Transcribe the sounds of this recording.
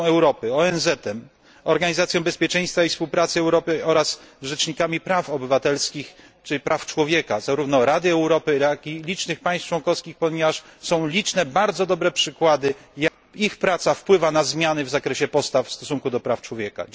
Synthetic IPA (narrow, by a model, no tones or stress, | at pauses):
ɛwɾɔpɘɔɛnzɛt̪ɛm | ɔɾɡaɲizat̪sʲjɔ̃w̃bɛspʲjɛt͡ʂɛ̃j̃st̪faifspuwpɾat̪sɘɛwɾɔpɘɔɾasʐɛt͡ʂɲikamʲipɾafɔbɘvat̪ɛlskʲix | t͡ʂɘlʲipɾaft͡ʂwɔvʲjɛkazaɾuvnɔɾad̪ɘɛwɾɔpɘjakilʲit͡ʂnɘxpajst͡ʂwɔnkɔfskʲixpɔɲɛvaʂsɔ̃w̃lʲit͡ʂnɛbaɾd̪zɔd̪ɔbɾɛpʂɘkwad̪ɘjakixpɾat̪safpwɘvanazmʲjanɘvzakɾɛɕɛpɔst̪affst̪ɔsuŋkud̪ɔpɾaft͡ʂwɔvʲjɛka̰